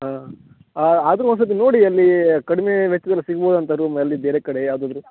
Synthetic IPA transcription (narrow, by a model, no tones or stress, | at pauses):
ɦaː | aːd̪ɐɾuɐnsɐt̪ːinoːɽiɐlːikɐɽime̞ʋɛt͡ʃːɐd̪ɐlːisiɡboːd̪ɐnt̪ɐɾumɐɐlːibeːɾekɐɽejaːd̪ɐd̪ɐɾu